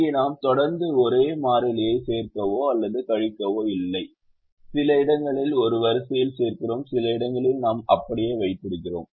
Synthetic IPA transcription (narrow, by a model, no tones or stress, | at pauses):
inaːmt̪ɔɽɐɾnd̪ɯɔɾeːmaːɾɪlɪjɐɪseːɾk̪ɐʋoːɐlːɐðɯkɐɻɪkːɐʋoːɪlːɐɪ | sɪlɐɪɽɐŋɡɐɭɪlɔɾɯʋɐɾɯsɐjɪlseːrkɪroːmsɪlɐɪɽɐŋɡɐɭɪlnaːmɐpːɐɽɪjeːʋɐɪt̪̚ːɪɽɪkːɪro̰ːm